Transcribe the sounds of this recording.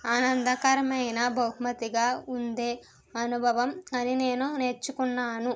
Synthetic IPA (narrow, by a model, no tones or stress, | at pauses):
aːnɐnd̪ɐkɐɾɐmɐjnɐbʱɐwɦmɐt̪iɡaːund̪e̞ː | ɐnubʱɐʋɐmɐnine̞ːnunet͡ʃːukunːaːnu